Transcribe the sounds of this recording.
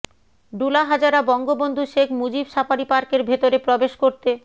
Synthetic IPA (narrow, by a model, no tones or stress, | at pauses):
ɖulaɦad͡ʑaɾabɔŋɡobond̪ʱuʃekʰmud͡ʑibʃapaɾipaɾkeɾbʱet̪oɾepɾɔbeʃkoɾt̪e